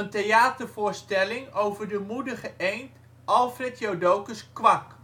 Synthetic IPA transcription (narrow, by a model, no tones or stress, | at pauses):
əntejaːtəɹvʊːɹstɛlɪŋowvəɹdəmudəχəʔejnt | ʔɑlˠfrɛtjowdowkəskʋɑk